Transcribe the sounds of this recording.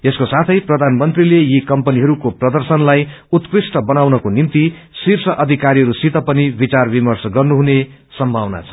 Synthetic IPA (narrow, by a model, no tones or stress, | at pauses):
eskosat̪ʰʌjprʌd̪ʱanmʌnt̪rilejikʌmpʌniɦʌɾukoprʌd̪ʌrsʌnlaj | ut̪krisʈʌbʌnawnʌkonimt̪i | sirsʰʌʔʌd̪ʱikaɾiɦʌɾusit̪ʌpʌnibit͡sarbimʌrsʌɡʌrnuɦunesʌmbʱawna̰t͡sʰʌ̥